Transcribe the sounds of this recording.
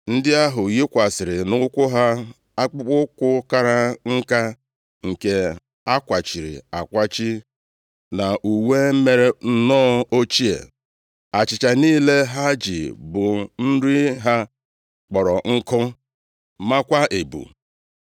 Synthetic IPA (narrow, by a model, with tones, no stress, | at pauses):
n̩˦dɪ˦a˦ɦʊ˨ji˦kʷa˨sɪ˨ɾɪ˨nʊ˦kʷʊ˦ɦa˦ | a˦k͡pʊ˦k͡pʊ˦kʷʊ˦ka˦ɾa˦ŋ̩˦ka˦ | ŋ̩˨ke˦ | a˦kʷa˨t͡ʃi˨ɾḭ˨a˨kʷa˦t͡ʃi˦ | na˨ʔu˨we˦m̩˦me˦ɾe˦n̩˦nɔː˦o˦t͡ʃi˦ḛ˨ | a˨t͡ʃɪ˨t͡ʃa˨niː˦le˦ɦa˦d͡ʒi˨bʊ˨n̩˦ɾi˦ɦa˦ | k͡pɔ˨ɾɔ˨ŋ̩˦kʊ˦ | ma˦kʷa˦ʔe˨bṵ˨